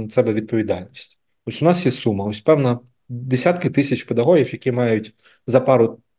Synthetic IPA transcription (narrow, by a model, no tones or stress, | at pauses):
nɐt̪sɛbɛʋʲid̪̚pɔʋʲid̪ɑlʲnʲisʲtʲ | ɔsʲʊnɑsjɛsumɐɔsʲpɛwnɐ | d̪esʲat̪kɪt̪ɪsʲɐt͡ʃpɛd̪ɐɦɔɦʲiwjɐkʲimɑjʊtʲ | zɐpɑɾʊ